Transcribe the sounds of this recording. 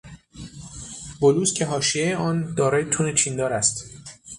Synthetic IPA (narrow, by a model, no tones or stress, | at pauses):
boluːscʲʰe̞ɦɒːʃiejeɒːnd̪ɒːɾɒːjet̪ʰuːnet͡ʃʰiːnd̪ɒːɾæst̪